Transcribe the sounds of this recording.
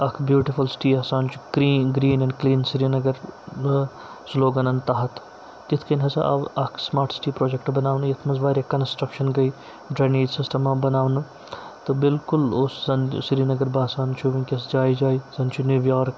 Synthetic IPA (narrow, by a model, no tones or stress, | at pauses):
ɐkʰbjuːʈifulsɪ̥ʈiːɐːsaːnt͡ʃʰu̥kɾiːɡɾiːnɛ̃ɳɖkliːnsɪɾiːnɐɡɐɾ | sloːɡɐnɐnt̪ɐɦɐt̪ʰ | d͡ʒɪt̪ʰkɐnɦɐsɐ̰ʔɐ̰ʋɐkʰsmaːɾʈsʈiːpɾoːd͡ʒekʈbɐnaːʋnɐjɐt̪ʰmɐzʋaːɾɐkɐnsʈɾɐkʃɐnɡɐi | ɖɾaːniːɖsɪsʈɐmabɐnaːʋnɐ | t̪obɪlkʊloszɐnsɪɾiːnɐɡɐɾbaːsaːnt͡ʃʰuʋĩnkʲesd͡ʒaːid͡ʒaːizɐnt͡ʃʰunjuʋjaːɾk